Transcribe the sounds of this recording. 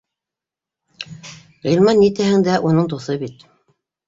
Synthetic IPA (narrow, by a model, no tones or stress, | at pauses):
ʁilʲmɑnːit̪æhɘ̆ŋd̪æʔunɤɴd̪uθɤbit̪